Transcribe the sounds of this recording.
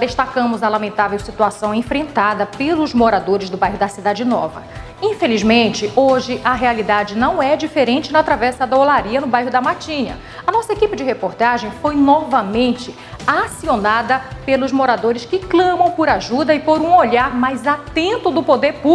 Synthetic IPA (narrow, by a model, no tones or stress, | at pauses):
d̪eʃt̪akɐ̃mʊzɐlamẽnt̪avewsit̪uasɐ̃w̃ẽfɾẽnt̪ad̪ɐpelʊzmoɾad̪oɾɪzd̪ʊbajɦʊd̪ɐsid̪ad͡ʒɪnɔ̰vɐ̰ | ĩfelizmẽnt͡ʃɪoʒɪʔɐɦealid̪ad͡ʒɪnɐ̃w̃ɛd͡ʒifeɾẽnt͡ʃɪnɐt̪ɾavɛsɐd̪ɐolaɾiɐnʊbajɦʊd̪ɐmat͡ʃĩɲɐ̰ | ɐnɔsɐekipɪd͡ʒɪɦepoɾt̪aʒẽj̃fojnɔvɐmẽnt͡ʃɪ | asionad̪ɐpelʊzmoɾad̪oɾɪskɪklɐ̃mɐ̃w̃poɾaʒud̪ɐɪpoɾũoʎaɾmajzat̪ẽnt̪ʊd̪ʊpod̪eɾpu